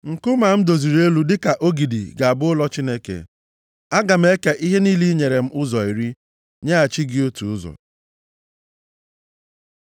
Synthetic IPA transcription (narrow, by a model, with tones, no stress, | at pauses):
ŋ̩˨kʊ˦ma˨m̩˦do˨zi˨ɾe˦lu˦dɪ˦ka˨ʔo˦ɡi˨dḭ˨ɡa˨a˨bʊ˦ʊ˦lɔ˦t͡ʃi˦ne˦kḛ˨ | a˦ɡa˨m̩˦e˦ke˦ʔi˦ɦe˦niː˦li˦ɲe˨ɾe˨m̩˦ʔʊ˦zɔ˨i˨ɾi˦ | ɲe˦a˨t͡ʃi˦ɡɪ˦o˦tu˨ʊ˦zɔ̰˨